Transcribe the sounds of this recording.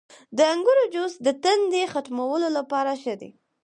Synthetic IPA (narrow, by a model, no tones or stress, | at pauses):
d̪əaŋɡuɾod͡ʒosd̪ət̪and̪exat̪mawəlolapɑɾaʃəd̪ḛ